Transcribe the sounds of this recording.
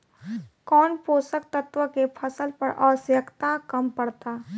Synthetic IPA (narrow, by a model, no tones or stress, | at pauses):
kɔːnpoːsək̚t̪ət̪ʋəkepʰɐsəlpɐɾʔɔːsjəkt̪akɐmpɐɽt̪aː